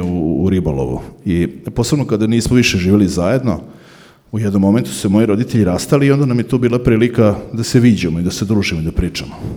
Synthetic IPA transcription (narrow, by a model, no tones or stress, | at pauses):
uːɾibolo̰ʋṵipo̞ːse̞bno̞kad̪aniːsmoʋiʃeʒiːʋelizaje̞d̪no̞̰ | ujed̪nomːo̞me̞nt̪u̥semo̞jiɾo̞d̪it̪eʎiɾast̪aliio̞nd̪anamjet̪obiːlˠapɾiːlikad̪aseʋiːd͡ʑemoid̪ase̞d̪ɾuːʒimoid̪apɾiːt͡ʂamo